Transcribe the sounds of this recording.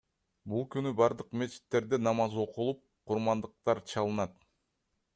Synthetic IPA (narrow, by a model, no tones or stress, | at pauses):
bulˠkynybɑɾd̪ɯqme̞t͡ʃi̥t̪ːe̞ɾd̪enɑmɑzo̞qulˠup̚qʰuɾmɑnd̪ɯq̚t̪ɑɾt͡ʃʰɑlˠɯnɑt̪